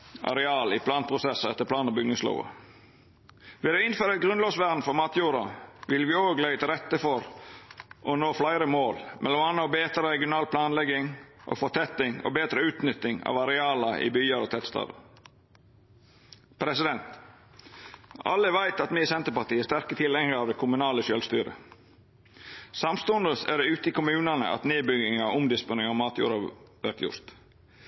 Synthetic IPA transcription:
ʔɑ̰ɾɛɑːlɪpʰlɑːnpʰɾʊsɛsəɛt̪ːəpʰlɑːnəbʏŋːəslɑ̰ʊʋɑ̰ | ʋɪlɛɪnføːɾəɛt̪̚ɡɾʉnloːsʋæɾn̩fɔɾmɑːt̪juːɾɑʋɪlʋɪːoːɡlæɪt̪ʰɪlɾɛt̪ːəfɔɾ | ʔɔnoːflæɪɾəmoːlmʔɛ̰lɔmɑnːɔbeːt̪ɾəɾɛɡɪʊnɑːlpʰlɑːnlɛɡɪŋʔɔ̰fɔt̪ʰɛt̪ɪŋɔ̰beːd̪ɾəʉːt̪nʏt̪ːɪŋɑ̰ːʋɑɾɛɑːlɑʔɪ̰byːəɾɔt̪ʰɛt̪st̪ʰɑ̰ːd̪ə̰ | pʰɾɛsɪd̪ɛnt̪ | ɑ̰lːəʋæɪt̪ɑt̪mɪsɛnt̪əpɑʈiːəst̪æɾkət̪ʰɪlɛŋəɾɑːʋd̪ɛkʰʊmʉnɑːləʃœlst̪yːɾə̰ | sɑmst̪ʊnd̪əsæ̰ɖɛʉːt̪əɪkʊmʉːnɑnə̰ʔɑ̰t̪neːbʏɡɪŋɑʊmd̪ɪspʊnɪŋɑmɑːt̪jṵːɾɑʋæɾt̪jʊ̰ɾt̪

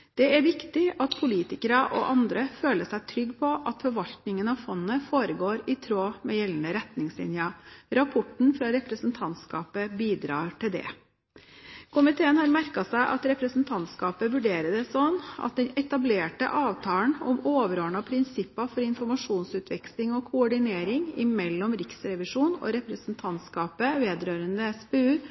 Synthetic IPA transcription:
d̪̥ɛæɾʋɪkt̪ɪɑt̪pʰʊliːt̪ɪkəɾɑʔɔ̰ʔɑnd̪ɾəføːləʂæɪt̪ʰɾʏɡːpʰɔʔɑt̪fɔɾʋɑʎt̪nɪŋənɑfɔnːəfoːɾəɡoːɾɪt̪ʰɾoːmɛjɛlnəɾɛt̪nɪŋsɪ̰njɑɾɑpʰɔʈɳ̩fɾɑɾɛpɾəsn̩t̪ʰɑnt̪skɑ̰ːpəbiːd̪ɾɑːɾʈɪld̪ɛ̰ | kʰʊmɪt̪ʰeːənhɑɾmæɾkɑsæɪʔɑ̰t̪ɾɛpɾəsn̩t̪ʰɑnt̪skɑːpəʋʉɖeːɾəd̪ɛsɔnːɑ̰t̪̚d̪ɛnɛt̪ɑbleːʈə̰ʔɑːʋt̪ʰɑːəɳɔmoːʋəɾoːɳɑpʰɾɪnsɪpːɑfɔɾɪnfɔɾmɑʂuːnsʉːt̪ʰʋɛkslɪŋɔkʰʊɔɖɪneːɾɪŋɪ̰mɛlːɔmɾɪksɾɛʋɪʂuːnɔ̰ɾɛpɾəsn̩t̪ʰɑnt̪skɑːpəʋeːd̪ɾøːɾənd̪əɛspɛʉː

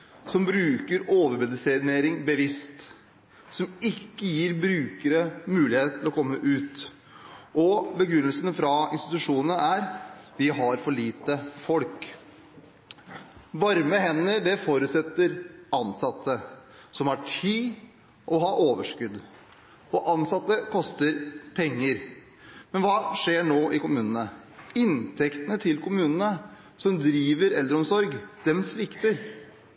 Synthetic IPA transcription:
sɔmbɾʉːkəɾoːʋəɾmɛd̪ɪseːneːɾɪŋbəʋɪst̪ | sɔmɪkːəjiːɾbɾʉːkəɾəmʉːlɪheːt̪ʰɪlɔkʰɔmːəʔʉːt̪ | ʔɔbəɡɾʉnːəlsənəfɾɑɪnst̪ɪt̪ʉʂuːnənəæɾʋɪɦɑɾfɔɭiːt̪əfɔlk | ʋɑɾməɦɛnːəɖ̪ɛfoːɾʉːt̪sɛt̪ːəɾɑnsɑt̪ʰːəsɔmæʈʰiː | ʔɔɦɑːʔoːʋəʂkʉd̪ | ɔʔɑnsɑt̪ːəkʰɔst̪əɾpʰɛŋːəɾ | mɛnʋɑːʂeːɳoːʔɪkʊmʉːnənə | ɪnt̪ʰɛkt̪ənət̪ʰɪlkʰʊmʉːnənə | sɔmd̪ɾiːʋəɾɛld̪ɾəɔmsɔɾɡd̪̥ɛmsʋɪkt̪əɾ

